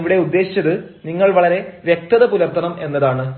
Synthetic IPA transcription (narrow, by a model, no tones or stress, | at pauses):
ʋiɽe̞ud̪ːe̞ːɕi̥t͡ɕːɐðɨ | niŋːɐɭʋɐɭɐɾe̞ʋjek̚t̪ɐðɐpulɐrt̪ʰːɐɳɐme̞nːɐðaːɳɨ